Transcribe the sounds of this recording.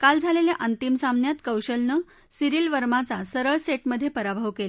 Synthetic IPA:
kald͡zʱaleljaʔənt̪imsamnjat̪kəwɕəlnə | siɾiːlʋəɾmat͡sasəɾəɭseʈməd̪ʱːjepəɾabʱəʋkela

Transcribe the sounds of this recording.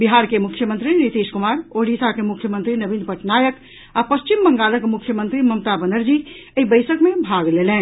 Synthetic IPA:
biɦaɾkemukʰːjəmə̃nt̪ɾinit̪iskumaɾoɽisakemukʰjəmə̃nt̪ɾinəbinpəʈnajək | apəst͡ʃimbəŋɡaləkmukʰːjəmə̃nt̪ɾiməmt̪abənəɾd͡ʒi | əibəɪsəkmebʱaɡlelɛ̃

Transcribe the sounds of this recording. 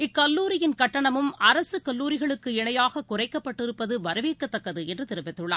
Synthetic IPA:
ɪkːɐlːuːɾɪjɪnkɐʈːɐɳɐmɯmɐɾɐsɯkɐlːuːɾɪɣɐɭɯkːɯɪɳɐjaːɣɐkʊrɐɪkːɐpːɐʈːɪɾɯpːɐðɯʋɐɾɐʋeːkːɐt̪ːɐkːɐðɯɛndrɯt̪ɪɾɯmbɪt̪ːɯɭːa̰ː

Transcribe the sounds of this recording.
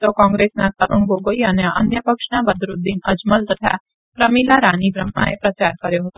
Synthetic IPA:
t̪okɔ̃ːŋɡɾeːsnaːt̪aɾʊɳɡoːɡoianjaʔɐ̰njəpəkʃnãbəd̪ɾʊd̪inɐd͡ʒməlt̪ɐt̪ʰa̰ | pɾɐmiːlaɾaːnibɾəmːã̰ḛ̃pɾɐt͡ʃaːɾkɐɾjoɦot̪o

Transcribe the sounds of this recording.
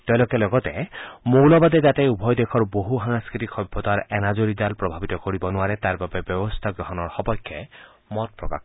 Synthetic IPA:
t̪ɔjlokelɔɡɔt̪emowlɔbad̪ed͡ʒat̪eubʱɔjd̪ekʰɔɹboɦuɦaŋskɹit̪ikʰxɔjbʱːɔt̪aɹɛnad͡ʒoɾid̪alpɹɔbʱabit̪ɔkoɹibɔnuaɾet̪aɹbabebjɔbɔst̪ʰaɡɾɔɦɔnɔɹxɔpɔjkʰːjɔ | mɔt̚pɹɔka̰k

